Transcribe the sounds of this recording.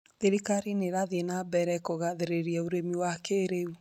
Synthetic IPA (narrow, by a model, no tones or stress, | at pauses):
ðeɾikaɾineɾaðenabɛɾɛkoɣaðeɾeɾiɛoɾemiwakeɾeu